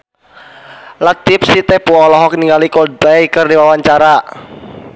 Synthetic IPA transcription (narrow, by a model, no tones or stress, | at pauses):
lat̪ipsit̪ɛpuɔlɔɦɔk̚niŋalikɔdajkɨrdiwawaɲt͡ʃaɾa